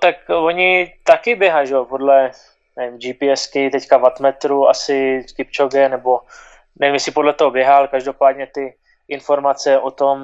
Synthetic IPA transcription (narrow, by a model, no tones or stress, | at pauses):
t̪akvoɲɪt̪akɪbjɛɦajʒɛopodlɛ | d͡ʒipiɛskɪt̪ɛckavat̪mɛt̪ɾua̰sɪkɪp̚t͡ʃoɡɛnɛbo̞ | nɛvimjɛsɪpodlɛt̪oɦobjɛɦalkaʒdopaːdɲɛt̪ɪ | ʔɪnfo̞ɾmat͡sɛʔot̪o̞m